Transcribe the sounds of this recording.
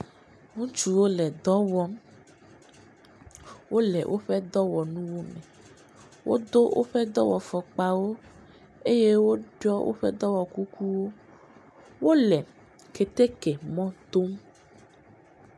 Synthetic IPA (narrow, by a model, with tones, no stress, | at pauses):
ŋũ˦t͡ʃu˦wo˦lɛ˨d̪ɔ˦wɔ˦m | wo˦lɛ̰˨wʔo̰˦ɸɛ˦d̪ɔ˦wɔ˨nũ˦wo˦mɛ̃˨ | wʔo̰˦d̪o˦wʔo̰˦ɸɛ˦d̪ɔ˦wɔ˨fɔ˨k͡pa˨wo˦ | e˦je˦wo˦ɖɔ˦wʔo̰˦ɸɛ̰˦d̪ɔ˦wɔ˨ku˦ku˦wo˦ | wo˦lɛ˨ | ke˨t̪e˦ke˨mɔ̃˦t̪o˦m